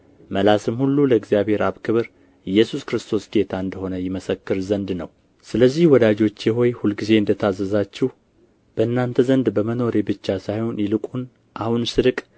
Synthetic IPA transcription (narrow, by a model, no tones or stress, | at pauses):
məlasɨmhulːuləɨɡzijabhe̞ɾaβkʰɨβɾ | ɨjːɛsuskɾɨst̪ʰo̞sd̪e̞t̪ʰaɨnd̪əho̞nəjɪməsəkːɨɾzənd̪nəw | sɨləzːihwɔd̪ad͡ʒo̞t͡ʃːjɛɦo̞jhulɡize̞ɨnd̪ət̪ʰazəzat͡ʃːɪh | b̥əʔɨnːant̪ʰəzənd̪bəməno̞ɾe̞bɨt͡ʃːasajho̞njɪlɨkʼun | ʔahunsɨɾɨkʼ